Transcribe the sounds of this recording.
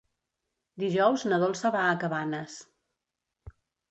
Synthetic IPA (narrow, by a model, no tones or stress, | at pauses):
d̪iʒɔwznəð̞olˠsəβaːkəβanəs